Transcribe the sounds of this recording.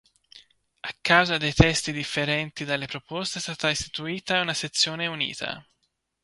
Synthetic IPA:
akːawzad̪ejt̪ɛst̪id̪ifːeɾɛnt̪id̪alːepɾopɔst̪est̪aːt̪aist̪i̥t̪uiːt̪aunaset̪sːjoːneunḭːt̪ʰa̰

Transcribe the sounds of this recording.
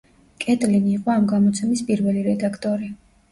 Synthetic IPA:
kʼɛt̪ʼliniːqʼɔamɡamɔt̪sʰɛmispʼiɾvɛliɾɛd̪akʰt̪ʼɔɾi

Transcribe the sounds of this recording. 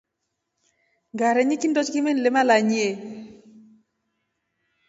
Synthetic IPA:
ŋɡaɾeɲikindɔt͡ʃkimenlemalaɲie

